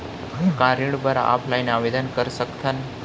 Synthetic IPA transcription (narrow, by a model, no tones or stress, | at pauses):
kãɾiɽbəɾa̰ʔa̰pʰlajnaʋed̪ənkəɾsəkt̪ʰən